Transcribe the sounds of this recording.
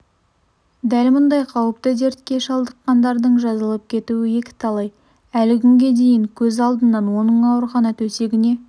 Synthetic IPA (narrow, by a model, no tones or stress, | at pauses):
d̪ælmʊnd̪ɑjqʰɑwəp̚t̪əd̪e̞ɾt̪kʲe̞ʃɑlˠd̪əqːɑnd̪ɑɾd̪əɴʒɑzəlˠəp̚kʲʰe̞t̪uwɪje̞kʲɪ̥t̪ʰɑlˠɑj | ælɪkʲʰʏŋɡʲe̞d̪e̞jɪŋkʲʰɵzɑlˠd̪ənːɑnwo̞nəɴɑwəɾχɑnɑt̪ʰɵse̞ɡʲɪne̞